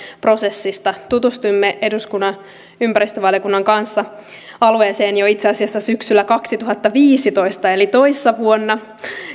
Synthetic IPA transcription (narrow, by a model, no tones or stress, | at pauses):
pro̞se̞sːist̪ɑt̪ut̪ust̪uimːeʔe̞duskunːɑn | ympæɾist̪øʋɑljokunːɑŋkɑnsːɑ | ɑlueːse̞ːnjoit̪seɑsiɑsːɑsyksylːækɑksit̪uɦɑt̪ːɑʋiːsit̪o̞ist̪ɑe̞lit̪o̞isːɑʋuonːɑ